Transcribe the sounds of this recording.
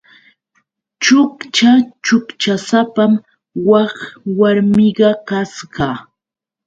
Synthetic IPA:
t͡ʃʊkt͡ʃat͡ʃʊkt͡ʃasapam | wɑχwaɾmɪɢɑkasɢɑ

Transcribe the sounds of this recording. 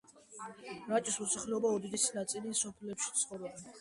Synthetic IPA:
ɾat͡ʃʼismɔsaχlɛɔbaɔd̪id̪isnat̪sʼilisɔpʰlɛpʃi̥t̪sʰχɔɾɛba

